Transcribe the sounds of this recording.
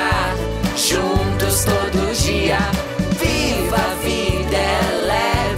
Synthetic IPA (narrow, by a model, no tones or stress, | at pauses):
ʒũt̪ʊst̪od̪ʊd͡ʒiɐ | vivɐvid̪ɛlɛ